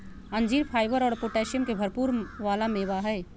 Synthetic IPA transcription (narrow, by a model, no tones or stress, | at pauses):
ɐ̃nd͡ʒiːɾpʰaːɪʋəɾɔːɽpoːʈɛːʃijəmkebʱɐɾpuːɾʋaːlamẽʋaɦɛː